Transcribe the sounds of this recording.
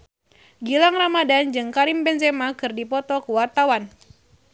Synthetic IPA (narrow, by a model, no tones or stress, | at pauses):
ɡilaŋramadand͡ʒɨŋkaɾimbɛnzemakɨrdipɔt̪ɔkəwart̪awan